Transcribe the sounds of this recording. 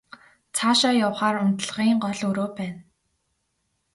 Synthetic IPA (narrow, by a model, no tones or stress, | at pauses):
t͡sʰaːʃaːjawχaːrʊnt̪ɮ̆ʁiːŋɢɔɮɵɾoːpæːn